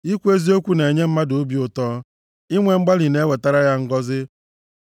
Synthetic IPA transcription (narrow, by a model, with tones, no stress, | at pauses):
i˦kʷe˦zi˦o˦kʷu˦ne˨ɲe˦m̩˦ma˦do˦bi˦ʊ˨tɔː˦ | i˦ŋʷe˨ŋ͡m̩˦ɡ͡ba˦li˨ne˦we˨ta˦ɾa˦ja˦ŋ̩˦ɡɔ˦zɪ˦